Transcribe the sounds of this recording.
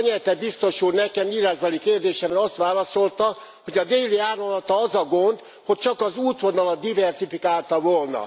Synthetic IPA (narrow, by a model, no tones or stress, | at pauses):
ɲɛlt̪ɛd̪̚bist̪o̞ʃuːrnɛkɛmiːɾaʒbɛlikeːrd̪eːʃɛmɛnɒst̪ʋaːlɒso̞lt̪ɒ | ho̞ɟɒd̪eːliaːromlɒt̪ɒɒzɒɡond̪ | ho̞c̚t͡ʃɒkɒzuːt̪ʋo̞nɒlɒd̪ːivɛrsifikaːlt̪ɒvoːlnɒ̰